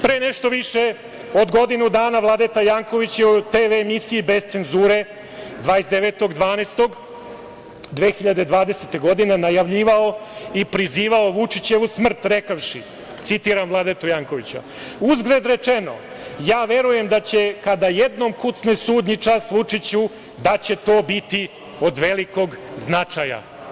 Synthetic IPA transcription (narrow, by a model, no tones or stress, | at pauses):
pɾeːneʃt̪o̞ʋiʃe | o̞d̪ɡo̞d̪inud̪aːnaʋlˠad̪et̪ajaːŋko̞ʋit͡ɕjeut̪eːʋemisijibe̞zt̪se̞nzuːɾe̞ | d̪ʋaːjesd̪eʋet̪o̞ɡd̪ʋaːnest̪o̞ɡ | d̪ʋeːxiʎad̪e̞d̪ʋaːd̪eset̪e̞ɡo̞d̪inenajaʋʎiːʋaoipɾiziːʋaoʋut͡ʂit͡ɕeʋusmr̩t̪ɾekaʋʂi | t̪sit̪iːɾamvlˠaːd̪at̪ojaːŋko̞ʋit͡ɕa̰ | uzɡɾed̪ɾe̞t͡ʂeno̞̰ | jaːʋe̞ɾuje̞md̪at͡ɕe̞kad̪ajed̪no̞mkut̪snesuːd̪ɲit͡ʂasʋut͡ʂit͡ɕu | d̪at͡ɕe̞t̪o̞ːbit̪i | o̞d̪ʋe̞liko̞ɡznat͡ʂaja̰